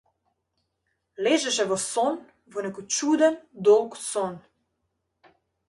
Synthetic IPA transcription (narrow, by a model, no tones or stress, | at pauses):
leːʒɛʃɛʋɔsɔn | ʋənɛkɔt͡ʃuːd̪ənd̪ɔwksɔn